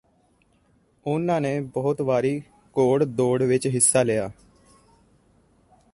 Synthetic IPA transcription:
ʊnːãːneːbɔɦʊt̪ʋaːɾiː | koːɽd̪oːɽʋɪt͡ʃɦɪsːaːlɪjaː

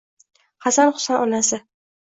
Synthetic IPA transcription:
hasanχʊ̥sanʔɒnasɪ

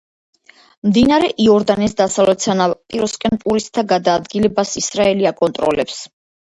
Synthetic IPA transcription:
md̪inaɾɛʔiɔɾd̪anisd̪asavlɛt̪sʰanapʼiɾɔskʼɛnpʼuɾist̪ʰaɡad̪aːd̪ɡilɛbasisɾaɛliakʼɔnt̪ʼɾɔlɛps

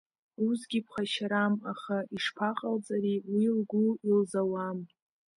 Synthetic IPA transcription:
uzɡʲipʰχaʃaɾamaχaiʂpʰaqʼalt͡sʼaɾiwilɡʷuilzawam

